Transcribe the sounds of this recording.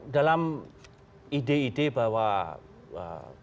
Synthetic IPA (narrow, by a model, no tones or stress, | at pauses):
dalam | ideidebawa | ə̰